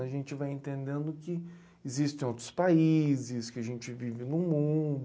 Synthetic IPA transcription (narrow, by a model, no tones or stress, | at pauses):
ɐʒẽnt͡ʃɪvajẽnt̪ẽnd̪ẽnd̪ʊkɪː | zist̪ẽj̃owt̪ɾʊ̥spaizɪskɪaʒẽnt͡ʃɪvivɪnʊmũd̪